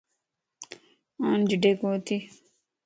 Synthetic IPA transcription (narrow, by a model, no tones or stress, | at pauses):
ãnd͡ʒiɖekot̪i